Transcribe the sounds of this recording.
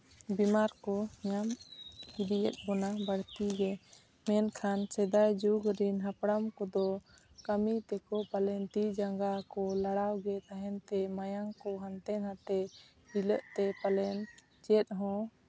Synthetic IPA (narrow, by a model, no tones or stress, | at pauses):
bimaɾkɔɲamid̪ijə̰t̪̚bɔnabəɽt̪iɡɛ | mɛnkʰansɛd̪ajd͡ʒuɡɾinɦapɽamkɔd̪ɔ | kəmit̪ɛkɔpalɛnt̪id͡ʒaŋɡakɔlaɽawɡɛt̪aɦɛnt̪ɛmajaŋkɔɦant̪ɛnɦat̪ɛ | ɖiləʔt̪ɛpalɛn | t͡ʃɛt̪̚ˀɦɔ̃